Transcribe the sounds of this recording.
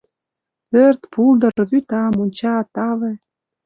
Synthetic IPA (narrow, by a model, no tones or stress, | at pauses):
pørt̪pʰuld̪ɤ̆rβyt̪ɑmonʲt͡ɕɑt̪ɑlĕ